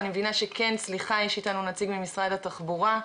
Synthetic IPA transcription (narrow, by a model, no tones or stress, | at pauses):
nimevinaʃe̞ke̞nsliχajeʃitanunat͡siɡmimisʁadhataχbuʁa